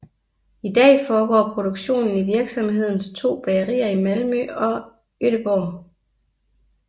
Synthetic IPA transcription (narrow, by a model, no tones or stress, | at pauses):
id̥ɛ̰ːfɒːɡ̥ɒ̰ːpʰʁo̝d̥oɡ̥ɕo̝̰ːnn̩iʋiɐɡ̥sɒ̽mhɦe̝ð̞̰ˠn̩st͡sʰo̝̰ːb̥ɛʁḭːɐimælmøɒ̽ | øɾ̥əb̥ɒʊ